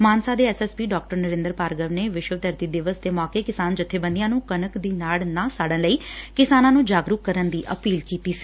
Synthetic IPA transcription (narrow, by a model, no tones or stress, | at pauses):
maːnsaːd̪eːɛːsɛːspiːɖɔːk̚ʈəɾnəɾɪ̃ːnd̪əɾpaːɾɡəʋneːʋɪʃwət̪əɾt̪iːd̪ɪʋəsd̪eːmɔːkeːkɪsaːnd͡ʒʊt̪ʰːeːbə̃nd̪ijãːnũːkənəkd̪iːnaːɭnãːsaːɖənləiːkɪsaːnãːnũːd͡ʒaːɡɾukːəɾənd̪iːʔəpiːlkiːt̪iːsi̥ː